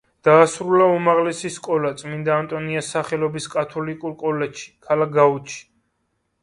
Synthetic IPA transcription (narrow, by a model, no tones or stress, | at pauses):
d̪̥aːsɾulaumaʁlɛsiskʼɔlat̪sʼmind̪aːnt̪ʼɔniasaχɛlɔbiskʼat̪ʰɔlikʼuɾkʼɔlɛʃi̥kʰalak̚ɡaut͡ʃʰi̥